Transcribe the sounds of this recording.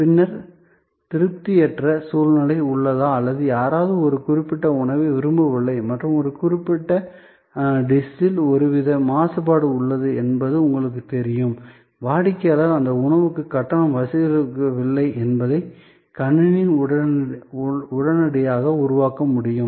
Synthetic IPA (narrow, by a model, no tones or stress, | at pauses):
pɪnːɐɾ | t̪ɪɾɯp̚t̪ɪjɛʈrɐsuːlnɐlɐɪʊɭːɐðãːɐlːɐðɯjaːɾaːðɯɔɾɯkʊrɪpːɪʈːɐʊɳɐʋeʋɪɾɯmbɐʋɪɭːɐɪmɐʈrɯmɔɾɯkʊɾɪpːɪʈːɐ | ɖɪsɪlɔɾɯʋɪðɐmaːsɐpaːɽɯʊɭːɐðɯɛnbɐðɯʊŋɡɐɭɯk̬ːɯt̪ɛɾɪjɯm | ʋaːɽɪkːɐɐlɐðɐnd̪ɐʊɳɐʋɯkːɯkːɐʈːɐɳɐmʋɐsɪɪɾɯkɐʋɪɭːɐɪʔɛnbɐðɐɪ | kɐɳːɪnɪɐ | ʊɽɐnɐɽɐjaːɣɐʊɾʊʋaːkɐmʊɽɪjɯm